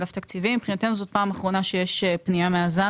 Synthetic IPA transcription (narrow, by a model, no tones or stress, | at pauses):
ɡaft̪akt͡sivimipχinat̪e̞nuzo̞t̪̚paːmaχʁo̞naʃeje̞ʃepnijameaza